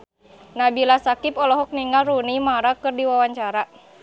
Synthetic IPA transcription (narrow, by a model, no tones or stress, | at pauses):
nabilasakipɔlɔɦɔk̚niŋɡalrunimaɾakɨrdiwawaɲt͡ʃaɾa